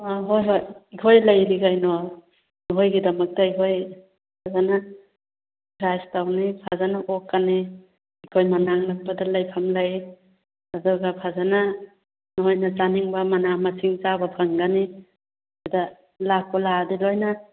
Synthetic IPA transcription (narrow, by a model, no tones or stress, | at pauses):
aɦojɦojikʰojlajɾiɡajnɔ | nɔɦojɡidɐmɐk̚taikʰoj | pʰazana | kɾajstawnipʰazanaʔokːani | ikʰojmanaŋnak̚padalajpʰamlaj | adɔɡapʰazana | nɔɦojnazaniŋbamanamasiŋt͡ʃabapʰaŋɡani | ada | lak̚paladilojna